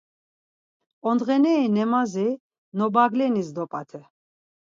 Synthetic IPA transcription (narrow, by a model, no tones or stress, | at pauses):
ɔnd̪ʁɛnɛːnɛmazi | nɔbaɡlɛnisd̪ɔpʼat̪ʰɛ